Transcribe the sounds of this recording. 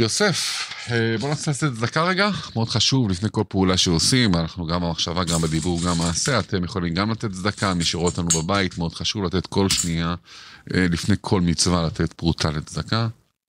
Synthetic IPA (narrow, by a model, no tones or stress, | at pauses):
jo̞se̞febo̞naselat̪et̪zd̪akaʁe̞ɡameo̞d̪χaʃuvlifnejko̞lpeulaʃeosimanaχnuɡambemaχʃavaɡambed̪ibuʁɡamːaːse̞at̪e̞mjeχo̞limɡamlat̪e̞t̪zd̪akamiʃeʁot̪lanubebait̪meo̞d̥̪χaʃuvlat̪e̞t̪ko̞lʃniaelifne̞jkʰo̞lmit͡svalat̪ʰe̞t̪b̥ʁutʰalit̪zd̪aka